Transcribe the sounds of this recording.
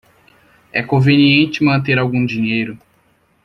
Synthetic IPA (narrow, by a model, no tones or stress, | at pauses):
ɛkõveniẽnt͡ʃɪmɐ̃nt̪eɾawɡũd͡ʒĩɲejɾʊ